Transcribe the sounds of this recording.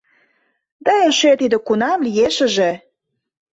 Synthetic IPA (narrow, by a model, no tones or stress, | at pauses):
d̪ɑeʃøt̪id̪ĕkunɑmlijeʃə̆ʒĕ